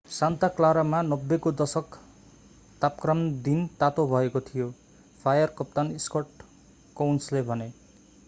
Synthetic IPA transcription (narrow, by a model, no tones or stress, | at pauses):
sant̪aklaɾamanʌbːekod̪ʌsʌk | t̪apkrʌmd̪int̪at̪obʱʌekot̪ʰijo | pʰajʌrkʌp̚t̪aniskʌʈ | kawnslebʱʌne